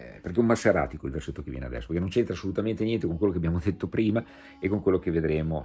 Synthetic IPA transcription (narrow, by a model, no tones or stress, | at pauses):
perkɛumːasaɾa̰ːt̪ikoilvḛrset̪ːokevjɛ̰nḛad̪ɛ̰sːo̥perkenõnt͡ʃent̪ɾasːolut̪ament̪enjɛnt̪̬ekoŋkwelːokeabjaːmod̪et̪ːopɾiːma | ekːoŋkwelːok̟eved̪ɾeːmo